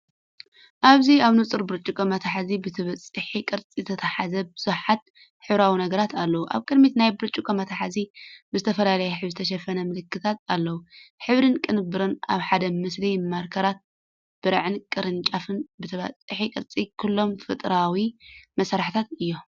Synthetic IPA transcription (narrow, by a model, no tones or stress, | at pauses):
ʔaβziaβnut͡sʼɨɾbɨɾt͡ʃʼːukʰʼɐmɐt̪ʰaħazibɨt̪ʰɨβɐt͡sʼɨħikʼɨɾt͡sʼizt̪ʰɐt̪ʰɐħazɐbɨz̥uħat̪̚ | ħɨβɾawinɐɡɐɾat̪ʰalːɐwuʔa̰βkʼɨd̪mit̪najbɨɾt͡ʃʼukʰʼɐmɐt̪ʰaħazibɨzɨt̪ʰɐfɐlalɐjɛħɨβzɨt̪ʰɐʃ̬ɐfɐnɐmɨlɨkːɨt̪ʰat̪alːɐwuħɨβɾɨnkʼɨnɨbɨɾɨna̰βħad̪ɐmɨslimaɾkʰɐɾat̪̚ | b̥ɨɾʕɨnkʼɨɾɨnt͡ʃʼafɨnbɨt̪ʰɨβɐ̰t͡sʼɨħikʼɨɾt͡sʼikʰulːo̞mfɨt̪ʼɾawimɐsaɾħt̪ʰat̪ɨjːo̞